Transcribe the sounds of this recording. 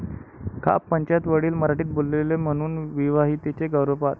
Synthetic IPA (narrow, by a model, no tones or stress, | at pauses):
kʰa̰pːəɲt͡ɕat̪ʋəɽiːlməɾaʈiːt̪̚bollelem̤əɽ̃uːnʋiʋaɦit̪it͡ɕeɡəwɾəpat̪